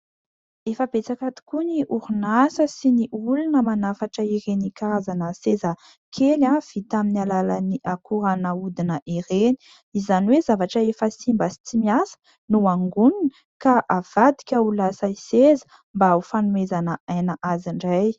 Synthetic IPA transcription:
efəb̥et͡sakat̪i̥kuniʔuɾunasəsiniʔulunəmanafaʈ͡ʂəeɾenikaɾazanəsezə | kʰelav̥it̪aminialalaniʔakuɾanaud̪inəʔeɾeni̥ | izaniwezavaʈ͡ʂəefəsimbəsi̥t͡simiasə̥ | nuaŋɡuninə | kaʔav̥ad̪i̥kʲaulasaisezə̥ | mbaaufanumezanəʔajnaʔaziɳɖ͡ʐaj

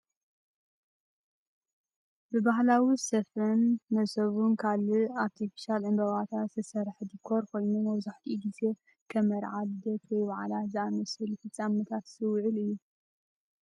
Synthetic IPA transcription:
bɨbaɦlawisɐfɐnːɐsɐβunkʰaliaɾt̪ʰifi̥ʃalʕɨmbɐβat̪ʰat̪zɨsɐɾħd̪ikʰːoɾkʰo̞jnumɐβzaħt̪ʰiɡize̞ | kʰɐmɐɾʕald̪ɐt̪wɔjwaʕalazɨamɐsɨlufɨt͡sʼːamːɐt̪ʰat̪sɨwʕɨlɨjːu

